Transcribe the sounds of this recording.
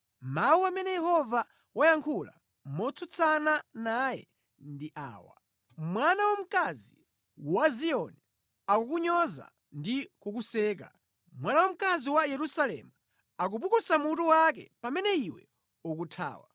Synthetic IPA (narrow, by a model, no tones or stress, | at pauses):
mawuamɛnɛjɛhɔva | wajaŋkʰula̰ | mɔt͡sʰɔt͡sʰananajɛ̰ | ndiʔa̰ːwa̰ | mwanawam̩kazi | waziɔni | akukuɲɔza̰ | ndikukusɛːk̬a̰ | mwanawam̩kaziwajɛɾusalɛ̰mu | ak̬upukusamutuwak̬ɛ̰pamɛnɛiwɛ̰ | ukutʰa̰ːwa